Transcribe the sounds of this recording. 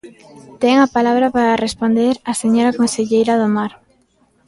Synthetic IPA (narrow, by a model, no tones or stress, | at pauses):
t̪eŋapalaβɾapaɾarespond̪eɾaseɲoɾakonseʎejɾaðomaɾ